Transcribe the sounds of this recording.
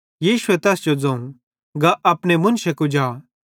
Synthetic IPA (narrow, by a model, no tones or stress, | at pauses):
jiːʃʊɛt̪ɛːsd͡ʒod͡zɐ̃ːũ | ɡaʔɐpñemʊ̃nʃekud͡ʒaː